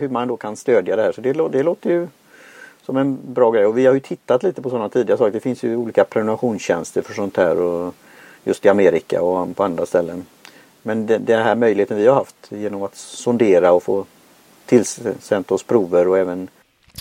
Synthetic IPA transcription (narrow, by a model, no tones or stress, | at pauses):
hɵmanɛnd̪oːkʰanst̪øːd̪jad̪ɛhæːʂɔd̪ɛlod̪ɛloːt̪əjɵ | sɔmɛnbɾɑːɡɾɛjːɔvɪhaɾjɵt̪ʰɪt̪ːat̪liːt̪əpʰɔsɔnːat̪ʰiːd̪ɪɡasɑːkd̪ɛfɪnsjɵuːliːkapʰɾɛnənaɧuːnsɕɛnst̪əɾfœʂɔnt̪hæ̰ːɾɔ | jɵ̰st̪ɪameːɾɪka̰ɔapʰɔand̪ɾast̪ɛlːən | mɛnd̪ɛd̪ɛnɦæːɾmœjlɪheːt̪ənvɪhaɾhaft̪jeːnɔmat̪sɔnd̪eːɾaɔfo̰ː | t̪ʰɪlssɛnt̪ɔspʰɾuːvəɾɔɛːvən